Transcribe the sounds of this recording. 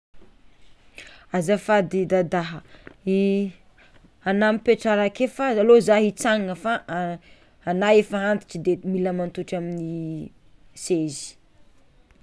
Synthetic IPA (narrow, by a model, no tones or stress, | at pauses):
azəfad̪id̪ad̪aɦəi | anamipeʈ͡ʂaɾakefaalozaɦit͡saŋəfaʔː | naefaɦant̪i̥ʈ͡ʂid̪emiləmant̪uʈ͡ʂamini | sezi̥